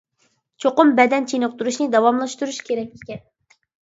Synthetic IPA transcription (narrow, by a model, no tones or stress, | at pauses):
t͡ʃʰoqʊmbɛd̪ɛnt͡ʃʰenɨqt̪uɾuʃnɨd̪ɑwɑmlˠɑʃt̪uɾuʃkʲeɾɛkʲekʲɛn